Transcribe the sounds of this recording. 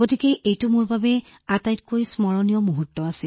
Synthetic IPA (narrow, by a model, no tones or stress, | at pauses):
ɡotikɛʔejtʊmoɹbabɛ | atajtkoɹismɔɹɔnijɔmuɦutːɔasil